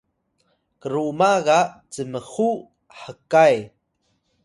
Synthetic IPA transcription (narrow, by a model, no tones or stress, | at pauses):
kəɾumaɣat͡səməxu | ħəkaj